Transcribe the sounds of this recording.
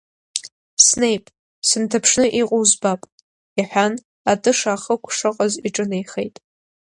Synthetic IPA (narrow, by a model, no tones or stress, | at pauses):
sne̞jpʼ | sɨntʰapʰʂnɨʔiqʷʼowzbapʼ | aħʷᶣan | atʼɨʂaːχəkʷʰʂɨqʼaziʈ͡ʂʼɨnejχejtʼ